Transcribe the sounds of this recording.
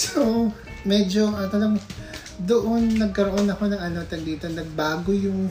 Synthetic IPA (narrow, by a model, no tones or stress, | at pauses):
so | mɛd͡ʒo̞ʔɐt̪ɐlɐ | d̪oʔonːɐɡ̚kɐɾoʔo̞nɐko̞nɐŋɐnot̪ɐɡiːt̪ɐnɐɡ̚baːɡojʊŋ